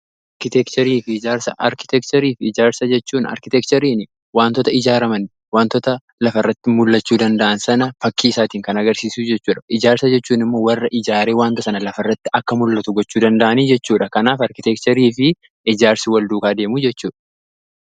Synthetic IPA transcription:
ʔʔɐɾkɪt̪ɛkt̪ɐɾiːfɪɪd͡ʒaːɾsɐʔɐɾkɪ̥t̪ɛkt͡ʃ̪ɐɾiːfɪd͡ʒaːɾsɐd͡ʒɛt͡ʃːuːnɐ̰ɾkɪt̪ɛkt͡ʃ̪ɐɾiːnɪ | waːnt̪ɔt̪ɐɪd͡ʒaːɾɐmɐn | waːnt̪ɔt̪ɐ | lɐfɐrːɐt̪ːɪmʊlːɐt͡ʃːuːd̪ɐnd̪ɐʔɐnsɐnɐfɐkːiːɪsaːt̪iːŋkɐnɐɡɐɾsiːsuːd͡ʒɛt͡ʃːuːᶑɐɪd͡ʒaːɾsɐd͡ʒɛt͡ʃːuːnɪmːoːwɐrːɐʔɪd͡ʒaːɾeːwaːnt̪ɔsɐnɐlɐfɐrːɐt̪ːɪʔɐkːɐmʊlːɐt̪ʊɡɔt͡ʃːuːd̪ɐnd̪ɐʔɐniːd͡ʒɛt͡ʃːuːᶑɐkɐnaːfɐɾkɪt̪ɛkt̪ɐɾiːfɪ | ɪd͡ʒaːɾsɪwɐld̪uːkaːd̪e̞ːmud͡ʒɛt͡ʃːuːᶑɐ̥

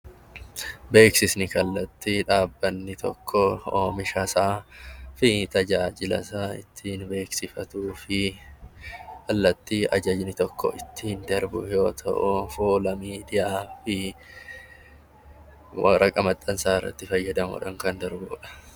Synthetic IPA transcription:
be̞ːksɪsnɪkɐlːɐt̪ːiᶑaːbːɐnːɪt̪ʰɔ̰kʰːɔoːmɪʃɐsaːfɪt̪ɐd͡ʒaːd͡ʒɪlɐ̰saːɪ̰t̪ʰːiːnbe̞ːksɪfɐt̪uːfɪ | kɐlːɐt̪ːiːʔɐ̰d͡ʒɐd͡ʒnɪt̪ɔkʰːɔ̰ʔɪt̪ːɪhnd̪ɐɾbʊ̰jo̞ːt̪ʰɐ̰ʔʊfoːlɐmiːd̪ɪjaːfɪ | wɐ̰ɾɐkʼɐmɐt̪ʼːɐnsaːɪrːɐ̰t̪ːɪfɐjːɐd̪ɐmʊɔ̰ᶑɐŋkɐnd̪ɐɾbʊᶑɐ̥

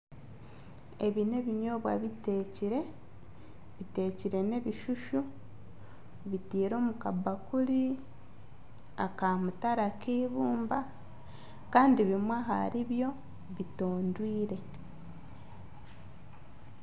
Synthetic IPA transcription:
e̞βine̞βiɲo̞ːβwa̰βite̞ːciɾe̞ | βite̞ːciɾe̞ne̞βiʃuʃu | βitiːɾo̞ːmukabakuli | a̰kamutaɾakiːβuːmba | kaːndiβimwaɦa̰ɾiβjo̞ | βito̞ːndwiːɾe̞

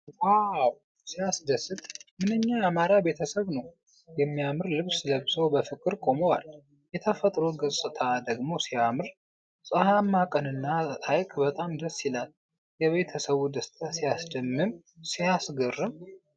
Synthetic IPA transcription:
waw | sijasd̪əsːɨt̪ʼmɨnɨɲːaamaɾabe̞t̪ʰəsəβnəw | jɛmːijamɨɾlɨβsləβsəwbəfɨkʼɨɾkʼo̞məwa̰l | jɛt̪ʰəfət̪ʼɾoɡɨsʼɨt̪ʰad̪əɡmo̞sijamɨɾ | sʼəhamːakʼənɨnːaajkʼbət̪ʼamd̪əsilal | jɛβe̞t̪ʰəsəβud̪əst̪ʰasijasd̪əmːɨm | sijasɡərːɨm

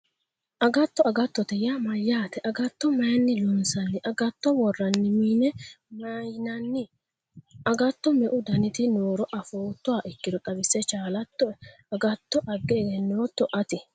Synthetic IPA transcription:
ʔɐɡɐt̪ːɔɐɡɐt̪ːɔt̪ɛjamɐjːaːt̪ɛʔɐɡɐt̪ːɔmɐjɐnːɪlʊnsɐnːɪʔɐɡɐt̪ːɔwɔrːɐnːɪmiːnɛmɐjnɐnːɪ | ɐɡɐt̪ːɔmɛʔʊd̪ɐnɪt̪ɪnoːɾɔʔɐfoːt̪ːɔwaːʔɪkːɪd̪ɔt̪ʼɐbɪsːɛt͡ʃaːlɐt̪ːɔ | ɐɡɐt̪ːɔʔɐɡːɛːɡɛnːoːt̪ːɔʔɐt̪ɪ

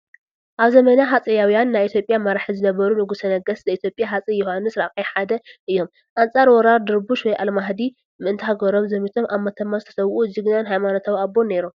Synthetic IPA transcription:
ʔaβzɐmɐnaɦat͡sʼijawijanːajʔit̪ʰjo̞pʼjamɐɾħizɨnɐβɐɾunɨɡusɐnɐɡɐszɐit̪ʰjo̞pʼjaɦat͡sʼijːuhanːɨsɾaχʼijħad̪ɐʔɨjːo̞m | ʔant͡sʼaɾwɔɾaɾd̪ɨɾbuʃwɔjʔalmaɦd̪i | mɨʔɨnt̪ʰɦaɡɐɾo̞mzɐmit̪ʰo̞mʔaβmɐt̪ʰɐmːazɨt̪ʰɐ̥sɐwʔuzɨɡnanɦajmanot̪ʰawiabːone̞ɾum

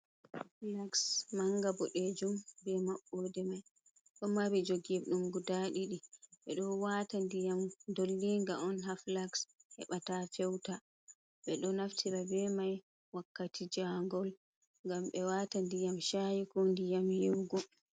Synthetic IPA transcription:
haflaksmaŋɡabɔɗed͡ʒumbɛmaɓːɔdɛmaj | ɗɔmabɛd͡ʒoɡɛɗumɡudaɗiɗiɓɛɗɔwatandijamdolːiŋɡaɔnɦaflakshɛ̰ɓatafɛwta | ɓɛɗɔnaftʰiɾabɛmaj | wakːatʰid͡ʒaŋɡɔl | ŋɡamɓɛwatandijamʃajikɔndijamjiwɡɔ

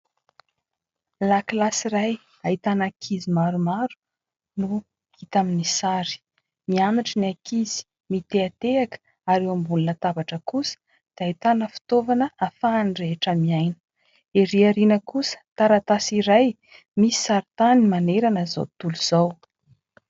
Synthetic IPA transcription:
laklasiɾaj | ait̪anakʰizimaɾumaɾu̥ | nu | it̪aminisaɾi̥ | mianaʈ͡ʂəniakiz̥i̥ | mit̪eat̪eakə̥ | aɾewambuninət̪abaʈ͡ʂəkusə̥ | d̪̥ait̪anəfi̥t̪ovanəafaːnireʈ͡ʂəmiajnə̥ | eɾiaɾinəkusə̥t̪aɾat̪asiɾaj | misi̥saɾit̪animaneɾanəzo̰wt̪uluz̥aw

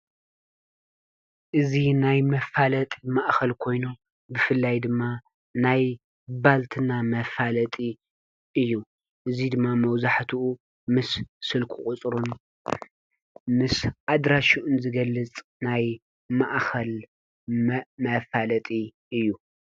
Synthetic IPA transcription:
ʔɨzinajmɐfalɐt̪ʼimaʔxɐlkʰo̞jnu | bɨfɨlːajd̪ɨmːa | naj | balt̪ʰɨnamɐfalɐt̪ʼi | ʔɨjːu | ʔɨzid̪ɨmːamɐwzaħt̪ʰuʔu | mɨssɨlkʰuχʼʊt͡sʼɾun | mɨsʔad̪ɾaʃuʔunzɨɡɐlːɨt͡sʼnaj | maʔxɐl | mɐfalɐt̪ʼi | ɨjːu

